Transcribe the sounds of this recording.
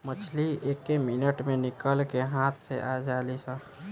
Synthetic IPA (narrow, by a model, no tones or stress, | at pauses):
mət͡ʃʰliekːeminəʈmẽnɪkəlkeɦãt̪ʰseʔad͡ʒaːlisə̃